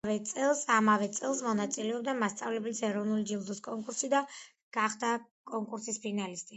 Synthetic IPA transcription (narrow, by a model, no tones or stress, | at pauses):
vɛt̪sʼɛlˠsamavɛt̪sʼɛlˠs̬mɔnat̪sʼilɛɔb̚d̪amast̪sʼavlɛblisɛɾɔvnulid͡ʒilˠd̪uskʼɔŋkʼuɾsid̪a | ɡ̥aχd̪a | kʼɔŋkʼuɾsispʰinalist̪ʼi